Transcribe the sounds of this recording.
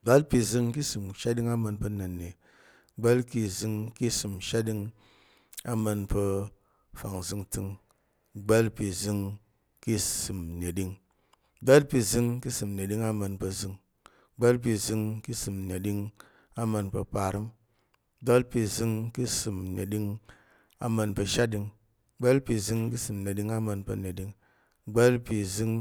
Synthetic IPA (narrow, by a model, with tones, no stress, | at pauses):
ɡ͡ba˦lpi˧zɨ˧ŋki˦sɨ˨mʃa˦di˦ŋa˦mə˧npə˧nɐ˨nːe˨ | ɡ͡ba˦lki˧zɨ˧ŋki˦sɨ˨mʃa˦di˧ŋ | a˦mə˧npə˧ | fa˨ŋzɨ˧ŋtɨ˧ŋ | ɡ͡ba˦lpi˨˧zɨ˧ŋ | ki˦sɨ˨mne˨ɗi˧ŋ | ɡ͡ba˦lpi˧zɨ˧ŋki˦sɨ˨m˨ne˨ɗi˦ŋa˦mə˧npə˧zɨ˧ŋ | ɡ͡be˦lp̬i˧zɨ˧ŋki˦sɨ˨mne˨ɗi˧ŋ | a˦mə˧npə̰˧pa˧˨ɾɨ˦m | ɡ͡be˦lpi˧zɨ˧ŋki˦sɨ˧˨mne˨ɗi˧ŋ | a̰˨˦mə˧npə˧ʃa˦tdi˧ŋ | ɡ͡be˦lpi˧zɨ˧ŋki˦sɨ˨mne˨ɗi˧ŋa˦mə˧npə˧ne˨ɗi˧ŋ | ɡ͡be˦lpi˧zɨ˧ŋ